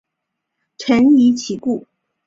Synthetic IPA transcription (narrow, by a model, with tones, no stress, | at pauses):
ʈ͡ʂʰə˧˥ni˧˥t͡ɕʰi˧˥ku˥˩